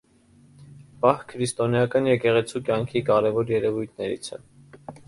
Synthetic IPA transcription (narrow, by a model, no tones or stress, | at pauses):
pɑhkʰəɾist̪ɔnjɑkɑnjɛkɛʁɛt͡sʰukjɑŋkʰikɑɾɛvɔɾjɛɾɛvujt̪ʰnɛɾḭt͡sʰɛ̰